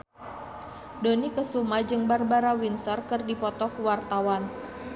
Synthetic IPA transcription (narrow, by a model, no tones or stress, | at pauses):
donikəsumad͡ʒɨŋbarbaɾawinsərkərdipɔt̪ɔkəwart̪awan